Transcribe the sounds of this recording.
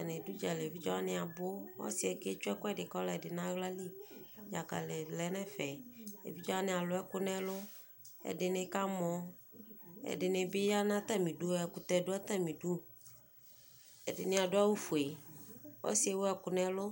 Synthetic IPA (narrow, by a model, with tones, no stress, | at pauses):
a˨nɪ̃˨du˦d͡ʒa˨lɪ˨e˨vi˦d͡ʒɔ˦a˦nɪ̃˦a˨bʊ˦wɔ̰˦sɪ˨ɛ˨ke˦t͡ʃʊ˦ɛ˦kʊ˦ɛ˦dɪ˨kɔ˦la˨ɛ˨dɪ˨nã˦ɣla˦li˦ja˨ka̰˨lɪ˨lɛ˨˦nɛ̃˦fɛ˨ḛ˨vi˦d͡ʒɔ˦a˦nɪ̃˨a˨lʊ˨˦ɛ˦kʊ˦nɛ˦lʊ˦ | ɛ̰˨dɪ˨nɪ˨ka˦mɔ̃˨ | ɛ̰˨dɪ˨nɪ˨bɪ˦ja˦nã˦t̪a˦mĩ˨du˦ɛ˨kʊ˨t̪ɛ˨dʊ˦a˦t̪a˦mĩ˨du˦ | ɛ˨dɪ˨nɪ̃˨a˨dʊ˦a˦wu˦fu˨e˨wʔɔ̰˦sɪ˦ɛ˨˦wʊ˦ɛ˨kʊ˨nɛ̃˦lʊ˦